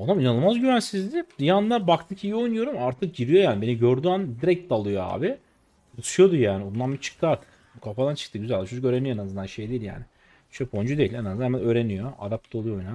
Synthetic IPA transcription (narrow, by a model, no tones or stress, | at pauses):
onaminanɯlˠmazɟyvænsizd̪ɪd̪ijanlˠaɾbakt̪ʰɯcʰijio̞jnujo̞ɾumaɾt̪ʰɯk̚ɟiɾijo̞jaːnibe̞niɟøɾd̪yand̪iɾɛc̚t̪d̪alˠujo̞a̰ːbɪ | but͡ʃ̪ʰujo̞d̪ujaːniond̪anbit͡ʃʰɯ̥k̚t̪ʰɯaɾt̪ʰɯ̥k | ukʰafad̪ant͡ʃʰɯ̥kt̪ɯɟyzælʲd̪iʃʰokøːɾenijenazɯnd̪anʃejd̪ejilja̰ːnɪ̥ | ʃpʰo̞nd͡ʒud̪e̞jilʲenaznahemænøːɾe̞nijo̞a̰d̪ap̚t̪ʰo̞lˠujojna